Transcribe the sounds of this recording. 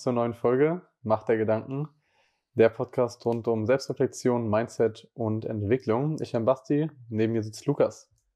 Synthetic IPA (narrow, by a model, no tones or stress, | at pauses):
t͡suːɐnɔʏənfɔlɡə | maχtd̥eːɐɡədaŋkŋ̩ | d̥eːɐpʰɔtkʰaːstʁʊntʊmzɛlpstʁ̥ɛflɛk̚t͡sjoːnmaɪntt͡sɛtʊntɛ̰ntv̥ɪklʊŋɪ̰çambastineːbm̩miːɐzɪt͡stlukas